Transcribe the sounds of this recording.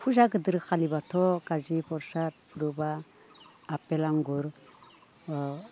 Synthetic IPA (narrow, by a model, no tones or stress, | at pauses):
pʰuzaɡɯdɯɾkʰalibatʰɔɡazipʰɔɾsaɾ̚ | ɾubaː | pelaŋɡuɾ